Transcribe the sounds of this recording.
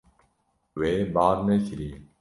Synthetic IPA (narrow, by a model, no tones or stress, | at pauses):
weːbaːɾneɕɾiː